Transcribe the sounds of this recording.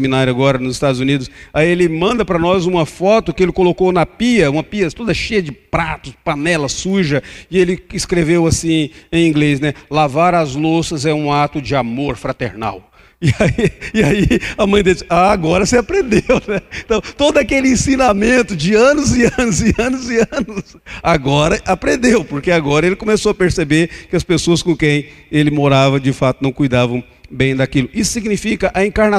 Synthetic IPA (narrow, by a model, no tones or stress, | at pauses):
mĩnaɾjʊaɡɔɾɐnʊzɪst̪ad̪ʊzunid̪ʊsaielɪmɐ̃nd̪ɐpɾɐnɔzũmɐfɔt̪ʊkɪelɪkolokownɐpiɐũmɐpiɐt̪od̪ɐʃejɐd͡ʒɪpɾat̪ʊzd͡ʒɪpanɛlɐsuʒɐɪelɪɪskɾevewasĩẽj̃ĩɡlesnɛlavaɾɐzlosɐzɛũat̪ʊd͡ʒɪamoɾfɾat̪ḛɾna̰w | ɪaiɪaiɐmɐ̃j̃d̪esaaɡɔɾɐsɪapɾẽnd̪ewnɛ̃t̪ɐ̃w̃t̪od̪ʊakelɪĩsĩnamẽnt̪ʊd͡ʒɪɐ̃nʊzɪɐ̃nʊzɪɐ̃nʊzɪɐ̃nʊs | aɡɔɾɐʔapɾẽnd̪ewpoɾkeaɡɔɾɐelɪkõmesowɐpeɾsebeɾkɪɐspesoɐskõkẽj̃elɪmoɾavɐd͡ʒɪfat̪ʊnɐ̃w̃kujd̪avɐ̃w̃ | bẽj̃d̪akilʊisʊ̥siɡnifikɐʔɐẽkaɾna